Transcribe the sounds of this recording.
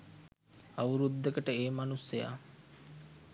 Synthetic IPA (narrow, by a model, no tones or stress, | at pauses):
aʋuɾud̪ːekəʈəeːmanusːeja̰ː